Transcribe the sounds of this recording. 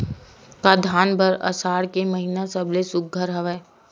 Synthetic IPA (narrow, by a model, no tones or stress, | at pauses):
kad̪ʱaːnbʱɐɾɐ̰saːɽkeməɦinasɐblesʊk̚ɡʱəɾɦɐʋəː